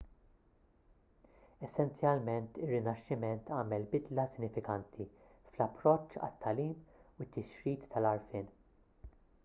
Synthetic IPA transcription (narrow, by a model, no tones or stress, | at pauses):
ɛsːɛnt͡sjɐlmɛnt̪ɪrːɪnɐʃːɪmɛnt̪ʰɐːmɛlbɪd̪lɐsɪnːɪfɪkɐnt̪ʰiflɐpːɾɔt͡ʃːɐ̰t̪ːɐliːmwɪt̪ʰːɪʃɾiːt̪ːɐlɐɾfɪːn